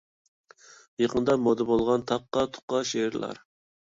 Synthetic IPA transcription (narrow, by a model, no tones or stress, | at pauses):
jeqənd̪ɑmod̪əbolˠʁɑnt̪ʰɑqːɑt̪ʰʊ̥qːɑʃeɾlˠɑ̰ɾ